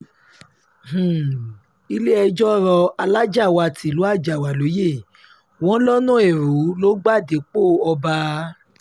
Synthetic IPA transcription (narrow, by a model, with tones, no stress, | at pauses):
h̩˨ | i˧le˦ɛ˧d͡ʒɔ˦ɾɔ˧a˧la˦d͡ʒa˦˨wa˧˨ti˨lu˨˦a˦˨d͡ʒa˨wa˨lo˨˦je˦˨ | w̃ɔ̃˦lɔ˦nũ˦ɛ˦˨ɾu˨˦lo˦ɡ͡ba˦˨de˨˦k͡po˦˨ɔ˧ba˧